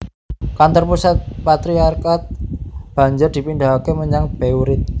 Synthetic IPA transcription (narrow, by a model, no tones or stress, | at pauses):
kant̪ɔrpusat̪̚pat̪ɾiarkat̪̚b̥a̤ɲd͡ʒʊrd̪̥i̤pindaɦkeməɲaŋb̥euɾɪt̪̚